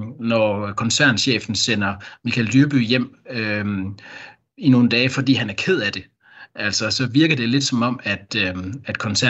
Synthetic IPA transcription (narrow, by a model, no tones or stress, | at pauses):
nɒkʰɒ̽nsæɐ̰nɕḛːfn̩sen̰ɐmikʰæld̥yɐb̥y̰jem̰ø | ino̝ːn̩d̥ɛːfɒ̽d̥ḭːhænæɐkʰe̝ð̞̰ˠæd̥e̝ | ʔæl̰sɒsɒ̽ʋiɐɡ̥ɐd̥e̝le̝d̥sɒ̽mɒ̽m̰æd̥æd̥kʰɒ̽nsæ